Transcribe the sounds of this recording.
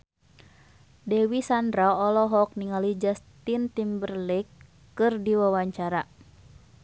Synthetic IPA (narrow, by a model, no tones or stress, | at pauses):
dɛwisandɾaɔlɔɦɔk̚niŋalid͡ʒast̪int̪imbərlikː | ɨrdiwawaɲt͡ʃaɾa